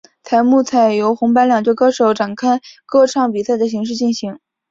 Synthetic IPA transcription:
t̪ʰa˧˥ɪmu˥˧t͡sʰa˥˩ɪjo˧˥ʊxʊ˧˥ŋpa˧˥nljɑ˨˩ŋt͡ɕwkɤ˥ʂo˨˧˥ʊʈ͡ʂa˨˩nkʰa˥˧ɪkɤ˥˧ʈ͡ʂʰɑ˥˩ŋpi˨˩sa˥˩ɪd̪ə˩ɕ̬i˧˥ŋʂ̬ɻ̩˥˧t͡ɕi˥˩nɕi˧˥ŋ

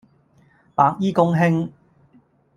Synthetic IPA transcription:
paː˧k̚jiː˥kʊ˥ŋɦɪ˥ŋ

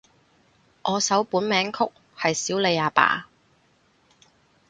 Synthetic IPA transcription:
ʔɔː˨˧sɐ˨˥wpuː˨˥nmɛː˨˥ŋkʰʊ˥k̚ | hɐ˨jsiː˨˥wle˨˧jaː˨˧pa̰ː˨˩

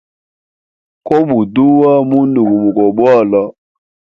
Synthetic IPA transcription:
kɔ˦mu˨du˦wa˦mu˦ndu˨mu˨mu˨kɔ˨ɓwa˦˨la˦

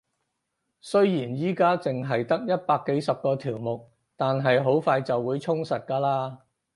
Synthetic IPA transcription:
sɵ˥ɥjiː˨˩njiː˥kaː˥t͡sɪ˨ŋɦɐ˨jt̪ɐ˥k̚jɐ˥t̚paː˧kːe˨˥jsɐ˨p̚kɔː˧t̪ʰiː˨˩wmʊ˨k̚ | t̪aː˨nɦɐ˨jɦo˨˥wfaː˧jt͡sɐ˨wːuː˨˧jt͡sʰʊ˥ŋsɐ˨t̚kaː˧laː˥

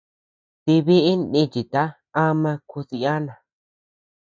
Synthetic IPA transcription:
t̪e˧βe˦ʔe˦nẽ˦˧t͡ʃi˨t̪a˦ | a˦mã˧ku˧si˧a˦nã˨

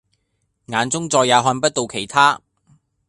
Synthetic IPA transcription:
ŋaː˨˧nt͡sʊ˥ŋt͡sɔː˧jːaː˨˧wɦɔː˧npɐ˥t̚t̪o˨wkʰe˨˩jt̪ʰaː˥

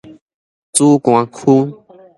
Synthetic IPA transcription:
t͡su˦kw̃ã˧kʰu˦

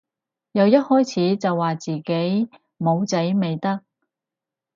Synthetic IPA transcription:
jɐ˨˧wjɐ˥t̚hɔː˥jt͡sʰiː˨˥t͡sɐ˨wːaː˨t͡siː˨ke˨˥j | mo˨˧wt͡sɐ˨˥jme˨jt̪ɐ˥k̚

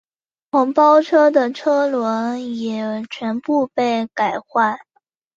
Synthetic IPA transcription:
xʰʊ˧˥ŋpɑ˥ʊʈ͡ʂʰɤ˥d̪ə˨ʈ͡ʂʰɤ˥lwə˧˥njɛ˨˩t͡ɕʰɥɛ˧˥npu˥˧pe˥˩ɪka˨˩ɪxwa˥˩n

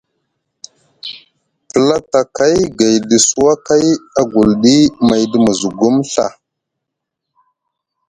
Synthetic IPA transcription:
pə˨la˦ta˨ka˦jɡa˨jdə˨su˦wa˦ka˦ja˦ɡu˨lɗi˦ma˨jdə˦mə˨zu˨ɡu˦mɬa˨

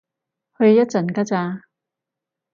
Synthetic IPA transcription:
hɵ˧ɥjɐ˥t̚t͡sɐ˨˩nka˥t͡saː˧

